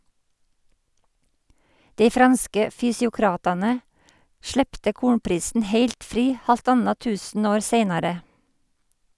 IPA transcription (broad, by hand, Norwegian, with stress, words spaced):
ˈdeɪ ˈfɾɑnskə fʏsɪʊˈkɾɑːtɑnə ˈʃɭeːptə ˈkuːɳpɾiːsn̩ ˈheɪlt ˈfɾiː ˌhɑlˈtɑnɑ ˈtʉːsn̩ˌoːɾ ˈseɪnɑɾə